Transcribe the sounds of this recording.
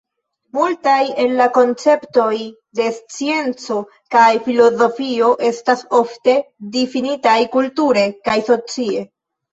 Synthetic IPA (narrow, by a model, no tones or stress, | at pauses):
multaje̞nlako̞nt͡se̞pto̞j | de̞st͡sie̞nt͡so̞ | kajfilo̞zo̞fio̞ʔe̞staso̞fte̞difinitajkultuɾe̞kajso̞t͡sie̞